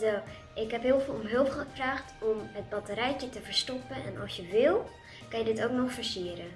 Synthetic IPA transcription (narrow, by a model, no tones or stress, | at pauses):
do | ʔɪkɦɛpɦɪːlˠfɪlˠomɦɵlˠfχəfraːχtɔmɦət̚bɑtəɾɛjcətəvəɹstɔpənʔɛ̰nʔɔ̰sjəʋɪlˠ | kɑnjədɪtowknɔxfəɹsiəɾə